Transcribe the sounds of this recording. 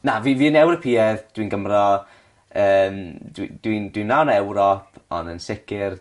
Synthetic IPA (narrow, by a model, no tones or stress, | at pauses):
naviviːənɛwɾɔpʰiːɛðd̥winɡəmrɔ | əːmdwid̥windwinːawnɛwɾɔpʰɔ̰nənsɪkɪr